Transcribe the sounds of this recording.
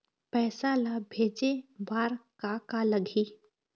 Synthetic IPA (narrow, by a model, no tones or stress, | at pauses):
pɛːsalabʱeːd͡ʒebaːɾkakaləɡʱiː